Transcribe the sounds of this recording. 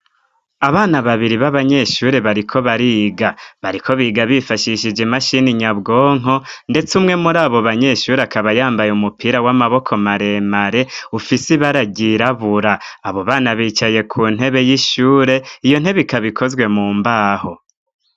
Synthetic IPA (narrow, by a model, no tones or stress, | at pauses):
aβaːnaβaβiɾiβaβaɲe̞ʃuːɾe̞βaɾikʰo̞βaɾiːɡaβaɾikʰo̞βiːɡaβifaʃiʃid͡ʒemaʃiniɲabɡo̞ːŋ̥o̞nde̞t͡sumŋe̞muɾaːβo̞βaɲe̞ʃuːɾeakaβajaːmbajeumupiːɾawamaβo̞kʰo̞maɾe̞maɾe̞ufisiβaɾaɟiɾaβuɾaːβo̞βaːnaβiːt͡ʃaje̞kʰuːn̥he̞βe̞jiʃuːɾe̞ijo̞n̥he̞βeikaβikʰo̞zɡwe̞muːmbaːho̞